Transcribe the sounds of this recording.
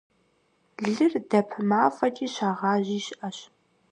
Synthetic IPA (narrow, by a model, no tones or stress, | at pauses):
ɮɨrdɐpʰmaːfɐtʼiːɕaːʁɑːʑiːɕʔɐɕ